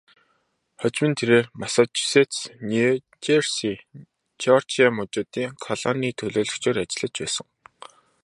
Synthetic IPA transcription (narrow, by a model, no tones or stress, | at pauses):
χœt͡ɕmɘ̆nt̪ʰeɾeːrmasat͡ɕu̥set̪t͡sni | t͡ɕersi | t͡ɕɔr̥t͡ɕamʊt͡ɕʊːt̪iːŋkʰɔɮɔniːt̪ʰɵɮoːɮɵ̆kt͡ɕʰoːɾat͡ɕɪ̆ɮə̆t͡ɕpæ̰ːsə̆ŋ